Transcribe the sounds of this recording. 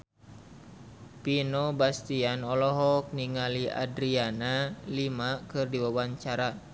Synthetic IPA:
pinɔbast̪ianɔlɔɦɔk̚niŋalia̰dɾianalimakɨrdiwawaɲt͡ʃaɾa

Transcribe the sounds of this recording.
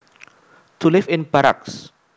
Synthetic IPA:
t̪ʰulɪfɪ̃nbaɾa̰ks

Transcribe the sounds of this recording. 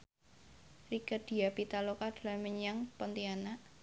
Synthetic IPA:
rikəd̪̥i̤apit̪alokad̪̥laməɲaŋpɔnt̪iana

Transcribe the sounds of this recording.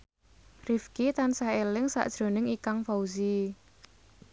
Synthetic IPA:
rifkit̪ansaelɪŋsa̰ʔd̥ʒ̥ɾo̤nɪŋikaŋfauzi

